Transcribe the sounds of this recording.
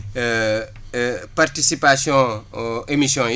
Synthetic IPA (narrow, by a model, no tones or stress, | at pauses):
paɾt̪isipasijõemisjõ